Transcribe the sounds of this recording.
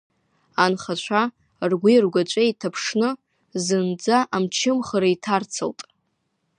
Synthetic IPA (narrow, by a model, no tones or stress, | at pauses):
anχat͡ʃʷʰa | rɡʷirɡʷat͡ʃʷʼeitʰapʰʂnɨ | zɨnd͡zaʔamt͡ʃʰɪmχaɾaitʰart͡sʰɨltʼ